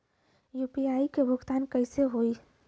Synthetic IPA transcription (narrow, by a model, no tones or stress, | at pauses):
jupiaikebʱʊɡt̪aːnkəɪseɦoi